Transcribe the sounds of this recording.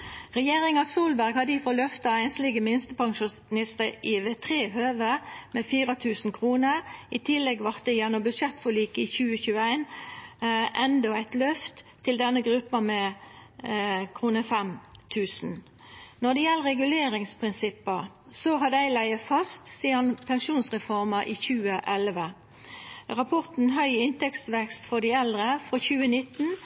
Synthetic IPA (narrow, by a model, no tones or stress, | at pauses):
ʁɛjeːʁɪŋɑsuːlbæʁɡhɑd̪əɪfɔlœft̪ɑæɪnslɪɡəmɪnst̪əpʰɑŋʃuːsɪnɪst̪əɪʋeːt̪ʰʁeːhøːʋəmɛfiːʁɑt̪ʰʉːsn̩kʰʁuːnəɪt̪ʰɪlːɛɡʋɑʁt̪̚d̪ɛjɛnːɔmbʉd̪ʂɛt̪fɔliːkɪçʉːəçʉːəæɪn | ʔɛnd̪ɔæɪt̪lœft̪ʰːɪld̪ɛnːəɡʁʉpːɑmɛ | kʰʁuːnəfɛmt̪ʰʉːsn̩ | nɔd̪ɛjɛlːəʁɛɡʉleːʁɪŋspʰʁɪnsɪpːəʁ | sɔɦɑd̪æɪlæɪəfɑst̪siːɑnpʰɛnsuːnsʁɛfɔʁməʔiːçʉːəʔɛlʋə | ʁɑpʰɔʁt̪n̩ɦœʏɪnt̪ʰɛkst̪ʋɛkst̪fɔd̪æɪɛld̪ʁəfɾoçʉːənɪt̪ːn̩